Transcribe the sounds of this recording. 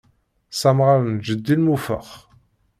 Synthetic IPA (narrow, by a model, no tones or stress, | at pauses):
sæmʁaɾənd͡ʒəd̪ːilmufə̰χ